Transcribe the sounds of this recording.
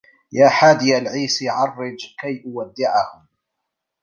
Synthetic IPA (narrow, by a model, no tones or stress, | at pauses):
jaːħaːd̪ɪjalʕiːsiʕɑrˤːɪd͡ʒkajʔʊwad̪ːɪʕahʊm